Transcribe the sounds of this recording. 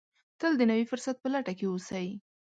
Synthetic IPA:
t̪əld̪ənawifʊɾsat̪̚pəlaʈakeosaji

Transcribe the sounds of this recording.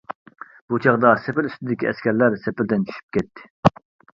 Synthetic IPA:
b̥ut͡ʃʰɑʁd̪ɑsɛpɪlyst̪ɪd̪ɪkʲiɛskʲɛɾlæɾsɛpɪld̪ɪnt͡ʃʰy̥ʃy̥p̚kʲɛt̪ʰːɪ̥

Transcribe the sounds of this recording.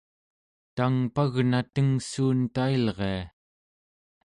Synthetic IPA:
t̪aŋpaɣnat̪əŋsuːnt̪ailʁea

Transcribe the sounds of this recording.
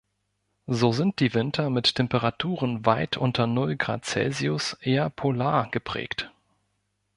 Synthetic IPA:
zoːzɪnt̚d̥iːvɪntʰɐmɪttʰɛmpəʁatʰuːʁənvaɪtʰʔʊntʰɐnʊlɡʁa̰ːtt͡sɛ̰lziʊsʔeːɐpʰolaːɐɡ̥əpʁ̥ɛ̰ːkt

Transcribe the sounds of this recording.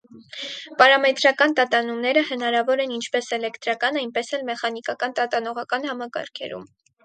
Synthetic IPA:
pɑɾɑmɛt̪ɾɑkɑnt̪ɑt̪ɑnumnɛɾəhənɑɾɑvɔɾɛnint͡ʃʰpɛsɛlɛkt̪ɾɑkɑnɑjnpɛsɛlmɛχɑn̪ikɑkɑnt̪ɑt̪ɑnɔʁɑkɑnhɑmɑkɑ̰ɾkʰɛ̰ɾṵm

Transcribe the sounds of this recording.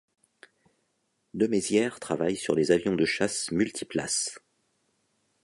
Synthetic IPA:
d̪əmezjɛʁt̪χavajsyʁlezavjɔ̃d̪əʃasmylt̪ʰipla̰s

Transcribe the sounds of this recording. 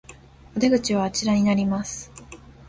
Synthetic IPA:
ad̪eɡɯ̟t͡ɕiβaːt͡ɕiɾaɲ̟inaɾʲimasɨ̥

